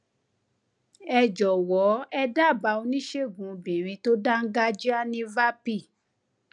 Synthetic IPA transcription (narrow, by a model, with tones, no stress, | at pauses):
ɛ˧d͡ʒɔ˨wɔ˨˦ɛ˧da˦˨ba˧o˧nĩ˦ʃe˦˨ɡũ˨˦bĩ˨ɾ̃ĩ˧to˦da˦ŋ̩˦ɡa˦d͡ʒi˦a˦nĩ˧˦va˦pi˦˨